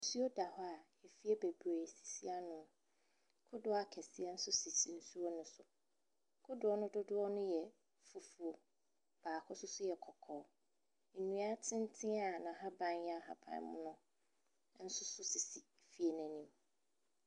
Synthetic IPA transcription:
su˦o˦da˨hɔ˦a˨ | ɛ˨fi˦ɛ˦be˨bɾa˨si̥˨si˦a˦nʊ̃˨˦ | kʰʊ˦dʊ˦a˦kʰɛ˨sɪ˦ɛ˦n̩˦sʊ˦si˨tʰĩ˨n˦su˦o˦nʊ̃˨sʊ˨ | kʰʊ˦dʊ˨˦ɔ˦nʊ̃˦dʊ˦dʊ˦ɔ˦nʊ̃˦jɛ˨ | fu˦fu˨o˨ | b̥aː˨kʰʊ˦sʊ˦sʊ˦jɛ˨kʰɔ˨kʰɔ˨˦ | n̩˨nũ˨a˦tʰɪ̃˦n˦tʰɪ̃˦a˨nã˨ɦã˦bã˦njɛ˦a˦˨ɦa̰˨pʰã̰˨˦mʊ̃˦nʊ̃˦ | n̩˦sʊ˦sʊ˦si˨si˨ | fi˦e˨næ̃˨nĩ˨m

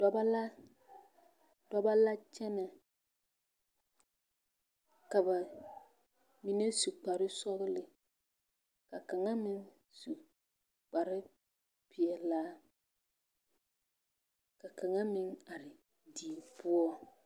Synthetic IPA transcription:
dɔ˦ba˦la˦ | dɔ˦ba˦la˦t͡ʃɛ˦na˨ | ka˨ba˨ | mi˨ne˦su˨k͡pa˨ɾɪ˦sɔ˦ɣɪ˦lɪ˨ | ka˨ka˨ŋa˦mɪ˦ŋ | su˨ | k͡pa˨ɾɪ˦ | pɪ˨ɛ˨laː˦ | ka˨ka˨ŋa˦mɪ˦ŋa˨ɾɪ˨ | diː˨pʊ˦ɔ˦

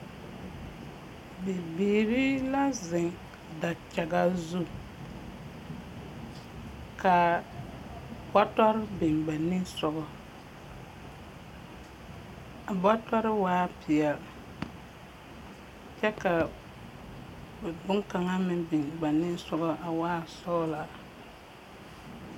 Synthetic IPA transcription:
bɪ˨biː˨ɾi˦la˦zɪ˨ŋ | da˨t͡ʃa˨ɡa˦zu˦ | ka˨ | bɔ˦tɔ˦ɾɪ˦bɪ˨ŋɡ͡ba˨nːɪ˦sɔ˨ɡɔ˨ | a˨ba˦tɔ˦ɾɪ˦waː˦pʰɪ˨ɛ˨l | t͡ʃɛ˦ka˨ | bɛ˨bʊ˦ŋka˨ŋa˦mɪ̃˦˨bɪ˨ŋɡ͡ba˨nːɪ˦sɔ˨ɡɔ˦ʔa˨waː˦˨sɔ˦la˨

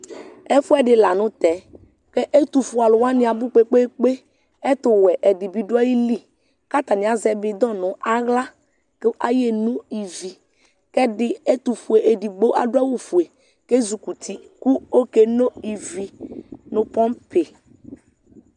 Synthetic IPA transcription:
ɛ˦fʊ˦ɛ˦dɪ˨la˨nʊ̃˦t̪ɛ˨˦ | kɛ˦ʔe˦t̪u˨fu˨a˨lʊ˨wa˦nɪ̃˦a˨bʊ˦k͡pe˦k͡pe˦k͡pe˦ | ɛ˦t̪ʊ˨wɛ˨ʔɛ˨dɪ˨bi˨du˦a˦ji˦li˦ | ka˦t̪a˨nɪ˨a˨zɛ˨bɪ˨d̪ɔ˦˨nʊ̃˨˦ʔa˦ɣla˦ | ke˦ʔa˦je˦nũ˦i˨vi˨ | kɛ˦dɪ˦e˦t̪u˨fu˨e˨ʔe˨di˨ɡ͡bo˦ʔa̰˦˨dwa˦wu˦fu˨e˨ | ke˦zu˨ku˨t̪ʰi˦ku˦o˦ke˦no˦i˨vi˨nʊ̃˨pɔ˦mpe˨

